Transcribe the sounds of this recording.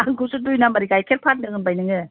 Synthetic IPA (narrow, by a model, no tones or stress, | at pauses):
aŋɡusudujnamɐɾikajkʰet̚pʰat̚nɯŋɯnbajnɯŋɯ